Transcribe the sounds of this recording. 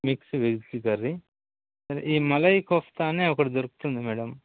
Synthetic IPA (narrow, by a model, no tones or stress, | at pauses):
miksuʋeɡt͡ʃiɡɐɾːi | sɐɾeʔiːmɐlɐjkɔft̪aːneːɔkɐɽid͡ʒɐɾuku̥t̪und̪imɛːɽɐm